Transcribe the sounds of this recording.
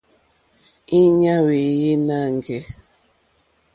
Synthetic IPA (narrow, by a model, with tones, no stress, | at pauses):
i˦ɲa˦we˨je˦na˦˨ŋ˨ɡɛ˦